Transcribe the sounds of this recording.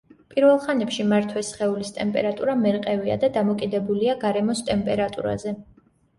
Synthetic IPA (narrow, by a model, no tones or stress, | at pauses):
pʼiɾvɛlˠχanɛpʃimaɾt̪ʰwɛsχɛulist̪ʼɛmpʼɛ̰ɾat̪ʼuɾamɛɾqʼɛvia̰d̪ad̪amɔkʼid̪ɛbuliaɡaɾɛmɔst̪ʼɛmpʼɛɾat̪ʼṵɾa̰zɛ